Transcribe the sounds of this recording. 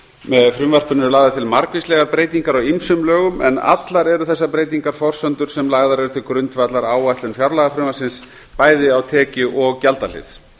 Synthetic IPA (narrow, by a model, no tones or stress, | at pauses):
mɛðfɾʏmvar̥pʏnːʏlaːɣðɪt̪ʰɪlmaɾkvislɛɣaɾpɾeːjt̪iŋkaɾawimsʏmlœːɣʏmɛ̰na̰t̪laɾɛɾʏθɛsːapɾejt̪iŋkaɾ̥fɔr̥sœnt̪ʏɾ̥sɛmlaɣðaɾɛɾʏθɪlkɾʏnt̪vat̪laɾaːwajht̪lʏnfjawɾlaɣafɾʏmvasɪns | paːjðɪawt̪ʰɛːcʏʔɔɣcalt̪al̥ɪ̰θ